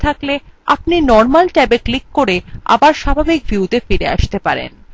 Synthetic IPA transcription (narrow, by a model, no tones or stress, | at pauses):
t̪ʰaklea̰pninɔɾmalʈabeklikːoɾea̰baɾʃabʱabik̚bʱjuut̪efiɾea̰ʃt̪epaɾḛn